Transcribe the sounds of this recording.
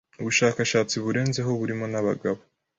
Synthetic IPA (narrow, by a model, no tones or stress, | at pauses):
uβuʃaːkaʃaːt͡siβuɾe̞ːnze̞ɦo̞βuɾimo̞naβaɡaβo